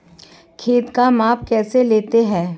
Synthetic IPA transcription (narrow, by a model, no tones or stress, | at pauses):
kʰeːd̪kamaːpkɛːseleːt̪eɦɛ̃ː